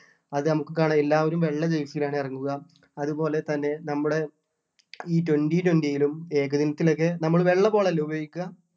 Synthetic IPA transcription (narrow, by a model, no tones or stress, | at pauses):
ɐðɨnɐmukːɨkaːɳɐelːaːʋɐɾumʋe̞ɭːɐd͡ʑejsijilaːɳɨirɐŋːuɣɐ | ɐðubo̞ːle̞t̪ɐnːe̞nɐmːuɽe̞ | iːtwenditwendijilume̞ːkɐðinɐt̪ːilo̞k̬ːe̞nɐmːɐɭʋe̞ɭːɐbo̞ːɭelubʱɐjikʲːɐ